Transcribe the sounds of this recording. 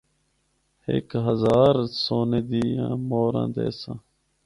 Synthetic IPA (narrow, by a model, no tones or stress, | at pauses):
hḛːkɦəzaːɾsoːneːd̪iːãːmoːɾã̰ːd̪ḛːsãː